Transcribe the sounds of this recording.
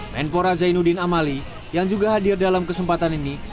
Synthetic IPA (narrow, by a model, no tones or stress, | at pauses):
mɛ̰npoɾazajnudɪnamali | jaŋd͡ʒuɡaɦadirdalamkəsəmpat̪anini